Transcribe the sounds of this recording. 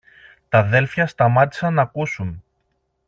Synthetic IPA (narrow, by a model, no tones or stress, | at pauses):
t̪ɐðe̞lfçɐst̪ɐmɐt̪i̥sɐnɐkusun